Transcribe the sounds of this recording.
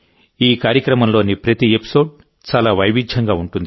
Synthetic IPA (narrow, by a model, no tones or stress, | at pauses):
iːkaːɾjɐkɾɐmɐmlo̞ːnipɾɐt̪iepi̥so̞ːɖ | t͡ʃaːlaːʋɐjʋid̪ʱjɐŋɡaːuɳʈund̪i